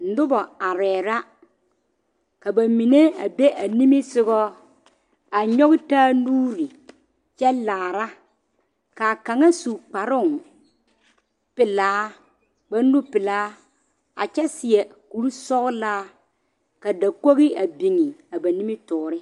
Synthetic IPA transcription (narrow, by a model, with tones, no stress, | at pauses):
n̩˨dʊ˦bɔ˨a˨ɾɛː˨ɾa˦ | ka˨ba˨mi˨ne˦a̰˨be˦ʔa˨ni˦mɪ˦sɪ˦ɣɔ˦ | a˨ɲɔ˦ɣɪ˦taː˦nuː˦ɾi˨ | t͡ʃɛ˦laː˨ɾa˦ | ka˨ka˨ŋa˦su˨k͡pa˨ɾʊ˦˨ŋ | pɪ˨laː˨˦ | ɡ͡ba˦n˦u˦pɪ˨laː˨˦ | a̰˨t͡ʃɛ˦sɪ˨ɛ˨ku˨˦ɾu˦sɔ˦ɣlaː˦ | ka˨da˨ko˦ɣɪ˦a˨bi˨ŋi˨a˨ba˨ni˦mɪ˦tʊː˨ɾɪ˦